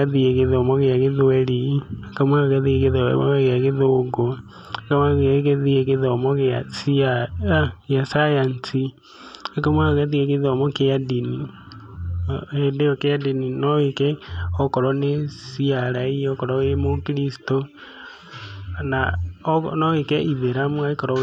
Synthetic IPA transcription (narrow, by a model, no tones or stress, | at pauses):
aðieɣeðomɔɣeaɣeðoɛɾiakamwaɣaðieɣeðɔ̰ɣeaɣeðoɡo | akamaɣɣeðieɣeðɔmɔɣeasia | jasajansi | akamwaɣaðieɣeðomɔkeadini | edeɔkeadininɔikɛɔkɔɾɔnesiaɾaiɔkɔɾɔemokiɾisi̥to | nanɔikɛʔiðeɾamwaikɔɾɔ